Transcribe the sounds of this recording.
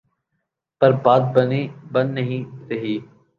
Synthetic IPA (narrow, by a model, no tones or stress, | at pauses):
pəɾbaːd̪̚bənibənːəɦĩɾəɦiː